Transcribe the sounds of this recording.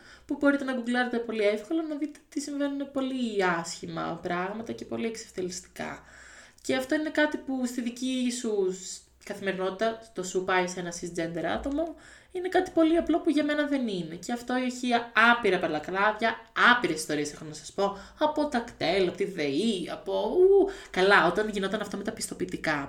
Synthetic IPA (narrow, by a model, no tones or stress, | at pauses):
pubo̞ɾit̪e̞nɐɡuɡlɐzet̪e̞po̞liefko̞lonɐðit̪et̪isiɱve̞nunepo̞liɐsçimɐ̰pɾɐɣmɐt̪ɐce̞po̞lie̞kseft̪elist̪i̥kɐ̰ | ce̞ɐft̪o̞ine̞kɐt̪ipust̪iðicisus | kɐθime̞ɾino̞t̪it̪ɐst̪o̞supɐise̞nɐsisd͡ze̞nd̪eɾɐ̰t̪o̞mo̞ | ine̞kɐt̪i̥po̞liɐplo̞puʝɐme̞nɐðe̞nine̞ceɐft̪o̞ioçiɐɐpiɾɐpɐlɐklɐðʝɐɐpiɾesi̥st̪o̞ɾiesexonɐsɐ̥spo̞ | ɐpo̞t̪ɐkt̪e̞lɐpot̪iðeiɐ̰poukɐlɐo̞t̪ɐnʝino̞t̪ɐnɐft̪o̞me̞t̪ɐpist̪o̞piːt̪ikɐ